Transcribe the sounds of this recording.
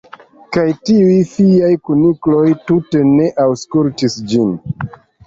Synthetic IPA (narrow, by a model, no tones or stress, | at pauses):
kajtiujfiajkuniklo̞jtute̞ne̞ʔawskultisd͡ʒin